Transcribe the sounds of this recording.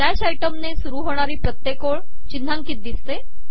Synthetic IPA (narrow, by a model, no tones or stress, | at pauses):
ɖ̪ɛɕajʈəmnesuɾuːɦoɽ̃aɾiːpɾət̪jekoɭ | t͡ɕind̪ʱaŋkiːt̪̚d̪ist̪e